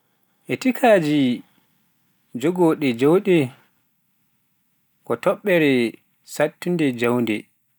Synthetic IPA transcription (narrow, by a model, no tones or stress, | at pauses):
ʔɛtikʰaːd͡ʒi | d͡ʒoɡɔɗɛd͡ʒowɗɛ | kɔtɔɓːɛɾɛ | satːindɛd͡ʒawndɛ̰